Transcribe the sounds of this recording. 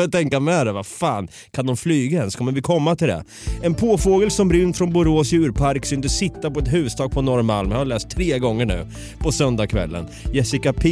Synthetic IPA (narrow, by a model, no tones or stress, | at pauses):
at̪ʰɛŋkamɛd̪ɛvafaːn | kʰand̪ɔmflyːɡaɛnskʰɔmːəɾvɪkʰɔmːat̪ʰɪld̪ɛ̰ | ɛnpʰoːfoːɡəlsɔmɾʏnːt̪fɾɔnbʊɾoːsjʉ̟ːɾpʰaɾksʏnd̪əsɪt̪ːapɔɛt̪ɦʉ̟ːəst̪ʰɑːɡ̚pʰɔnɔɾmalmahaɭɛːst̪ʰːɾeːɡɔŋːəɳʉ̟ː | pʰɔsœnd̪akʰvɛ̰lːə̰njɛsɪkapʰː